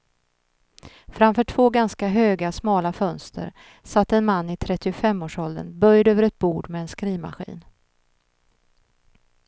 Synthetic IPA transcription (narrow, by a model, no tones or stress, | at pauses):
fɾamfœːʈʰvoːɡanskaɦøːɡasmɑːlafœnst̪ʰə̰ɾ | sat̪ːɛnmanːɪt̪ʰɾɛt̪ːɪʊfɛmːoːʂɔld̪ə̰nbœjd̪øːvəɾɛt̪̚buːɖmɛːnskɾiːma̰ɧḭːn